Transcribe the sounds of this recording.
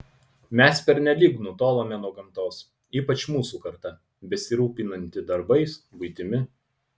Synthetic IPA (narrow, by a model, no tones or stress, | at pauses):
mʲɛspʲɛɾʲnʲɛlʲiːknʊt̪oːlˠoːmʲɛnuɔɡɐmt̪oːs | iːpɐt͡ʃmuːsuːkɐɾt̪ɐ | bʲɛsʲɪɾuːpʲinɐnʲt̪ʲɪd̪ɐɾbɐɪsbʊɪt̪ʲɪmʲɪ